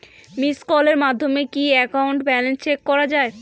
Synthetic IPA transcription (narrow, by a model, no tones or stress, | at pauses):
miskɔleɾmad̪ʱːomekiɛkawɳʈbɛlenst͡ɕekːɔɾad͡ʑae